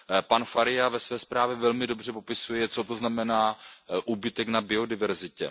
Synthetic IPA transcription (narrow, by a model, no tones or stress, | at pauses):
panfaɾɪjavɛsvɛːspɾaːvjɛvɛlmɪdo̞br̝ɛpo̞pɪsujɛt͡so̞t̪o̞znamɛnaːʔuːbɪt̪ɛknabɪo̞dɪvɛɾzɪcɛ̰